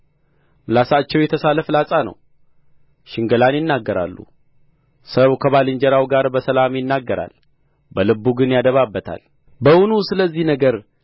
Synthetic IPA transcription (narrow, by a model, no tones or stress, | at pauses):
mɨlasat͡ʃːɛwjɛt̪ʰəsaləflasʼanə̰w | ʃɪŋɡəlanjɪnːaɡːəɾa̰lːṵ | səwkʰəβalɨɲd͡ʒɛɾawɡaɾbəsəlamjɪnːaɡːəɾa̰l | bəlɨbːuɡɨnjad̪əβabːət̪ʰa̰l | bəwunusɨləzːihnəɡəɾ